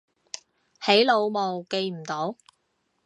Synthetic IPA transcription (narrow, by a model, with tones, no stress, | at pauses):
he˨˥jlo˨˧wmo˨˧wke˧jm̩˨˩t̪o˨˥w